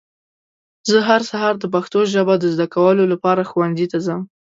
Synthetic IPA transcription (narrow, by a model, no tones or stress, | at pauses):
zəɦaɾsaɦɑɾd̪əbaxt̪oʒabad̪əzd̪akawəlolapɑɾaxuwanzit̪azəm